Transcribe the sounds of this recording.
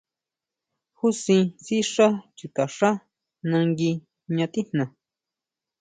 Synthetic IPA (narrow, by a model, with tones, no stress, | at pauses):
hu˦sĩ˧si˦ʂa˦t͡ʃi˨t̪a˨ʂa˦ | nã˧ŋɡi˧ | ɲã˧t̪i˦n̥nã˨